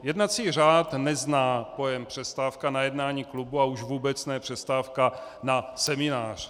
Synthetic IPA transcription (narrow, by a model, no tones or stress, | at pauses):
jɛdnat͡siːraːt̪nɛznaːpo̞jɛmpr̝̥ɛst̪aːfkanajɛdnaːɲiːklubuauʒvuːbɛt͡snɛjɛpr̥ɛst̪aːfkanasɛmɪnaːr̝̥